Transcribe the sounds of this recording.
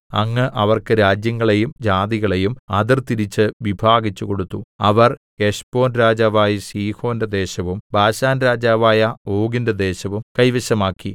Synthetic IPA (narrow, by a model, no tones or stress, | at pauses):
ɐŋːɨʔɐʋɐrkɨɾaːd͡ʑjɐŋːɐɭe̞jumd͡ʑaːd̪iɣɐɭe̞jumɐd̪irt̪iɾit͡ɕːɨʋibʱaːɡit͡ɕːuko̞ɽut̪ːuɐʋɐrke̞ʂpo̞ːnɾaːd͡ʑaːʋaːjisiːho̞ːndɐd̪e̞ːɕɐʋumbaːɕaːnɾaːd͡ʑaːʋaːjɐoːɡindɐd̪e̞ːɕɐʋumkɐjʋɐɕɐmaːkːi